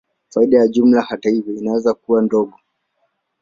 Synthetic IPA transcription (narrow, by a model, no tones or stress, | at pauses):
faiɗajaʄum̩lahatahivjɔinawɛzakuwandɔɡɔ